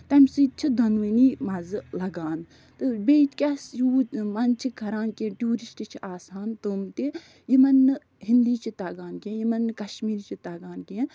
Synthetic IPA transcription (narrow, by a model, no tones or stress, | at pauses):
t̪ɐmʲsɨt͡ʃʰid̪ɐnʋiniːmɐzɨlɐɡaːn | t̪ɨbeːt͡ʃkʲasjuːmɐnt͡ʃʰikʰɐɾaːnkeʈʲjuːɾisʈɨt͡ʃʰiaːsaːnt̪omt̪e | jimɐnːɨ | ɦind̪iːt͡ʃʰit̪ɐɡaːnkiẽjimɐnɨkɐʃmiːɾt͡ʃʰit̪ɐɡaːnkien